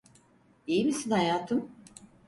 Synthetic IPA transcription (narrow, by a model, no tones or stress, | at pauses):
ijimisinhajaːt̪ʰɯm